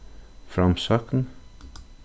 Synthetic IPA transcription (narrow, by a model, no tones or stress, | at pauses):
fɾɑmsœːkn̩